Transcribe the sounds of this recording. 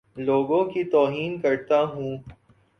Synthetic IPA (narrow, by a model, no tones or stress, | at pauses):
loːɡõkit̪ɔːɦiːnkɐɾt̪aɦũː